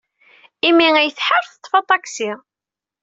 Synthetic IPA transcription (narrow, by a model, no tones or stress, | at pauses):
imːiŋæjəθħəɾθə̥t̪ˤːfɑt̪ˤːɑksi